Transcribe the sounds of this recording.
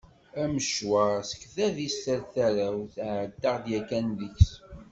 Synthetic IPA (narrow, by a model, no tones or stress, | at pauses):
æməʃwaʁsə̥kθæðistəɾθæɾæwθʕəd̪ːaʁðjækːænðəçs